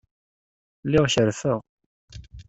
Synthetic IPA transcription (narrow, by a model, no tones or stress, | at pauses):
lːɪʁçəɾfəʁ